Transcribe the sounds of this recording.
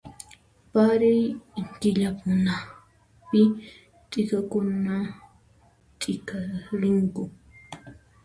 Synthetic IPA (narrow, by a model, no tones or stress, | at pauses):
paɾɪjŋkɪʎapʊna | pɪ | t̪ʼɪkakʊna | t̪ʼɪkaɾɪŋkʊ